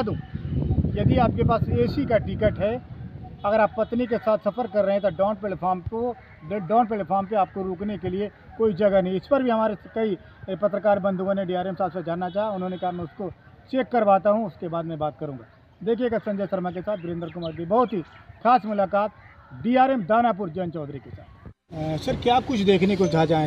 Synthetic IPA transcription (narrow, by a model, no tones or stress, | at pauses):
d̪ũː | jɐd̪iaːp̚kepaːseːʃikaʈɪkəʈɦɛːɐɡəɾaːpːɐt̪nik̬esaːt̪ʰsɐfəɾkɐɾːɐɦẽɦɛ̃t̪oɖaːnpelpʰaːɾmpo | ɖaːnp̬eːlepʰaːɾmp̬eaːp̚koɾoːknekelie | koːid͡ʒɐɡənɐɦĩɪspɐɾbʱiɦɐmaːɾekɐi | pɐt̪ɾəkaːɾbɐ̃nd̪uɡõneɖiːaːɾeːmsaːt̪ʰped͡ʒaːnːat͡ʃaːɦaʊnɦõnekɐɦamɛʊsko | t͡ʃeːkːɐɾʋaːt̪aɦũʊskebaːd̪mɛ̃baːt̪̚kɐɾũːŋɡaː | d̪eːkʰijeɡasɐ̃ɲd͡ʒəjsɐɾmak̬esaːt̪̚ʰbɪɾẽːnd̪ɾk̬ʊməːɾd̪ʱibɔɦʊt̪ɦixʰaːsmʊlaːkaːt̪ɖiːaːɾeːmd̪aːnaːp̬ʊɾd͡ʒɐnt͡ʃɔːd̪ɾikesa̰ːt̪ | sɐɾkjaːp̚kʊt͡ʃʰd̪eːkʰnekod͡ʒʱaːd͡ʒaːẽ